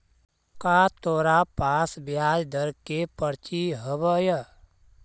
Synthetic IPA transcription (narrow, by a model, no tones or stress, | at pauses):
kaːt̪oːɾapaːsbjaːd͡ʒd̪əɾkepəɾt͡ʃiɦəbəjə